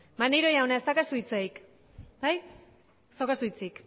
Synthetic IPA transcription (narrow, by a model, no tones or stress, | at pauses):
manejɾo̞jaonaest̪akasuit͡sajk | baj | sawkasujt͡sik